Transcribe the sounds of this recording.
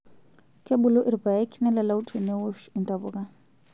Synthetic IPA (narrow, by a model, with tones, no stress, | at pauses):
kʼe˦bʊlɔ˦ʔiri˨ba˨ja˦kʰi˦nɛ˦lɛ˨la˦u˦tʰe˨nɛ˦wo˦ʃɪ˨ntʼaβʊ˨kʼa˦